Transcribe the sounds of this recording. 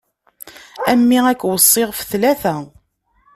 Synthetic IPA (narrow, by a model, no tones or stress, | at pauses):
æmːiækːwəsˤːɪʁfθlæθæ